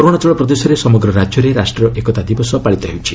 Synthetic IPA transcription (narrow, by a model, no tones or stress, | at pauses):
ɔɾoɽ̃at͡ʃɔɭɔpɾɔd̪esɔɾesɔmɔɡɾɔɾad͡ʒjɔɾeɾasʈɾɔʔekɔt̪ad̪ibɔsɔpaɭit̪ɔɦḛwut͡ʃʰi